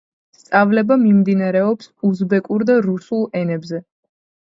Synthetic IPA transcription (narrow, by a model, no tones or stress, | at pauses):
st̪sʼavlɛbamimd̪inaɾɛɔpsuzbɛkʼuɾd̪aɾusulˠɛnɛbzɛ